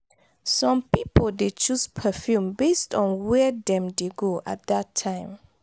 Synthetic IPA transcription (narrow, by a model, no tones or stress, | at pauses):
sɔ̃mpipoldet͡ʃuspʰəfjũmbestɔ̃nwɛdɛ̃mdeɡoʔa̰t̚datʰːãɪ̃m